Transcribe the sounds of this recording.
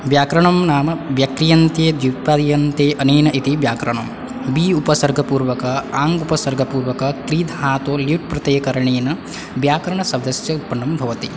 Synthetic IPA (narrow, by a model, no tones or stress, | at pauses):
ʋjaːkɾɐɳɐmnaːmɐʋjɐkɾijɐnt̪eːd̪jupaːd̪jɐnt̪eːʔɐniːnɐʔit̪ibjaːkɾɐɳɐm | biupɐsɐɾɡʱɐpuːɾʋɐkɐaːŋɡupɐsɐɾɡʱɐpuːɾʋɐkɐkɾiːd̪ʱɦaːt̪oːljuʈ̚pɾɐt̪eːkɐɾɐɳeːnɐ | bjaːkɐɾɐɳɐsɐd̪ɐsjɐut̪̚pːɐɳɖɐmbʱɐʋɐt̪i